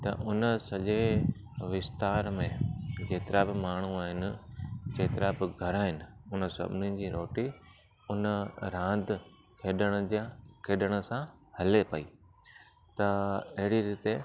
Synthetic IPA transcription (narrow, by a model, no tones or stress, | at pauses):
t̪ɐ̰ʔʊnəsɐʄe | ʋɪst̪aːɾmẽd͡ʑeːt̪ɪɾabɪmaːɳ̤̃uaːɦɪnɪ̆d͡ʑeːt̪ɪɾabɪɡʱɐɾaːɦɪnɪ̆ʊnə̆sɐ̰bʱɪnid͡ʑiːɾoːʈi | ʊnəɾãːnd̪ | kʰeːɗəɽ̃ə̆d͡ʑakʰeːɗəɽ̃ə̆sãhɐlepɐiː | t̪ɐɐɦɪɽiɾiːt̪e